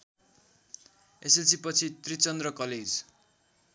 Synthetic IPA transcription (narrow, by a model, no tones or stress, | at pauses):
eselt͡sipʌt͡sʰit̪rit͡sʌnd̪rʌkʌled͡z